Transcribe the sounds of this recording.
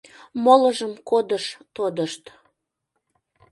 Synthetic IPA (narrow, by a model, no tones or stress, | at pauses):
moləʒəmkod̪əʃt̪od̪əʃt̪